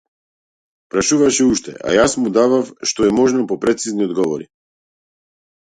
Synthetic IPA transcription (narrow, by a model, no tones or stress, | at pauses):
pɾaʃuvaʃɛuʃt̪ɛ̰ʔa̰jasmud̪avafʃt̪ɔɛmɔʒnɔpɔpɾɛt̪sizniɔd̪ɡɔvɔɾi